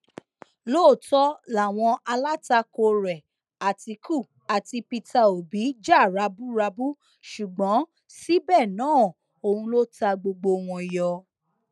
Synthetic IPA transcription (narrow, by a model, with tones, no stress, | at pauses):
loː˦˨tɔ˦la˨w̃ɔ̃˧a˧la˦ta˧ko˧ɾɛ˨ | a˨ti˧ku˦˨ | a˨ti˧pi˧ta˧o˨bi˨˦d͡ʒa˦˨ɾa˧bu˦ɾa˧bu˦ | ʃu˨ɡ͡bɔ̃˨˦ | si˦bɛ˦˨nãː˨˦˨ | o˧hũ˧lo˦ta˧ɡ͡bo˧ɡ͡bo˧˨w̃ɔ̃˧˨jɔ˧